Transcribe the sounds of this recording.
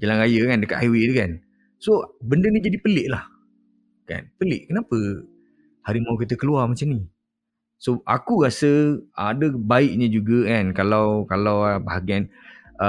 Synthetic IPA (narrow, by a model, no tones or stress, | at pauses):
d͡ʒalanɾajəkandəkat̪̚aiwedukan | sobəndənid͡ʒadipəlɪʔlah | ka̰npəlɪʔkənapə | haɾimauk̬it̪̬əkəluamat͡ʃamni | soʔa̰kuɾasəadəbaɪʔɲãd͡ʒuɡəkankalawkalawbaɦaɡian | ə